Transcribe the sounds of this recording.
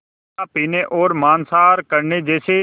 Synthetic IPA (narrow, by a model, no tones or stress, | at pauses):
aːpiːneːʔoːɾmaːnsaːɾkəɾɳeːd͡ʒeːseː